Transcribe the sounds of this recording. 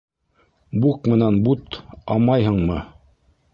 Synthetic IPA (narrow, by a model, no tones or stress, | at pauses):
bukmɘ̆nænbut̪ɑ̰mɑjɦɤ̆ɴmɤ